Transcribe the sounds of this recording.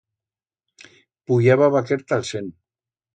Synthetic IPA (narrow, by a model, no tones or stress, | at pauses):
puʎaβaβakeɾt̪alsen